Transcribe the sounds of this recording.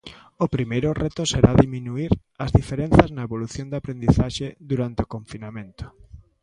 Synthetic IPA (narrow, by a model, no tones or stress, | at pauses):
ʊpɾimejɾʊrɛt̪ʊseɾaðimĩnuiɾ | ɐzðifeɾen̟θɐznɐeβoluθjond̪apɾend̪iθaʃeðuɾant̪eokõɱfinamẽnt̪ʊ̥